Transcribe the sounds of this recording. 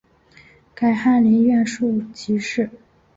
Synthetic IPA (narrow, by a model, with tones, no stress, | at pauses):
ka˨˩ɪxa˥˩nli˧˥nɥɛ˥˧nʂu˥˩t͡ɕʰi˧˥ʂɻ̩˥˩